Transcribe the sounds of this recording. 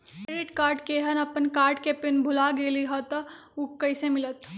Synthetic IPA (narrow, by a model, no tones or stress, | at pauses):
ɾɪʈkaːɾɖkeɦɐnɐpənkaːɾʈkepɪnbʱʊlaɡeːliɦɔt̪ɐ | ukːɐɪsemɪlət̪